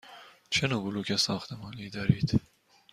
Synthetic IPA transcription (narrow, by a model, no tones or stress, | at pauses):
t͡ʃʰenubulukʲʰesɒːxt̪ʰemɑːniːd̪ɒːɾiːd̪̥